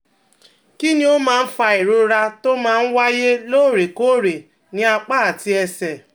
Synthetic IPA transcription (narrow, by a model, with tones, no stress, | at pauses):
ki˦nĩ˦o˦mãː˦˧n̩˦fa˧e˨ɾo˧ɾa˧to˦mãː˦n̩˦wa˦je˦lo˦˨ɾe˨ko˦˨ɾe˨ | nĩ˦a˧k͡pa˦˨a˨ti˧ɛ˧sɛ˨